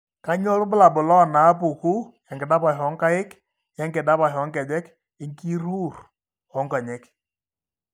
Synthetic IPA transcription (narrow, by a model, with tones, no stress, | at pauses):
ka˦ɲɔ˦lʊ˦bʊ˦la˨bʊ˨lɔ˦˨na˨˦p̬ʊ˨ku˦ja˨ŋɡɪ˨ɗa˦pa˨ɦɔ˨˦ŋka˦ɪ˦k | ja˦ŋɡɪ˨da˦pa˨ɦɔ˨˦ŋkɛ˨d͡ʒɛ˦k | ɪ˨˦ŋki˦ɾu˦˨r | ɔ˦ŋka˨ɲɛ˦k